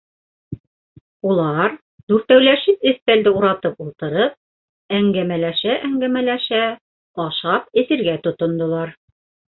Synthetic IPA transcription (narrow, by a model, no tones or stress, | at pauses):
ulˠɑɾ | d̪ʉɾt̪æwlæʃɘpɘθp̪æld̪ɘuɾɑt̪ɤpulˠt̪ɤ̆ɾɤp̚ | æŋɡæmælæʃæʔæŋɡæmælæʃæ | ɑʃɑp̚ɘ̆θɘ̆ɾɡæt̪ŏt̪ŏnd̪ŏlˠɑɾ